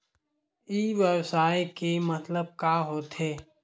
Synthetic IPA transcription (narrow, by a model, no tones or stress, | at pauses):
iːʋjəwsaːikemət̪ləb̚kaːɦoːt̪ɦeː